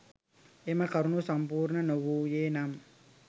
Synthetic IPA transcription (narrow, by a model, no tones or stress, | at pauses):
emɐkɐɾunusɐmpuːɾɳɐnoʋuːjeːnɐm